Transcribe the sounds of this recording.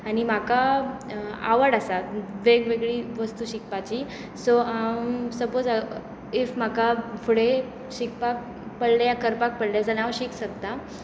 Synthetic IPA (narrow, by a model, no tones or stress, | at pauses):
aɽ̃im̤aka | a̰ʋəɽasaʋeɡʋeɡɭiːʋəst̪uːɕik̚pat͡ɕi | soamsəbod͡zə | efm̤akafʰuɽe | ɕikpak̚ | pəɽlejakəɾpak̚pəɽljad͡zalaʋɕiksəkt̪a